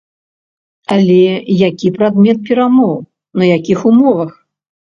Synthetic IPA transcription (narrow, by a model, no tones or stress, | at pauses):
alʲɛjakʲipɾad̪mʲɛt̪̚pʲɛɾamɔw | nɐjakʲixumɔvɐx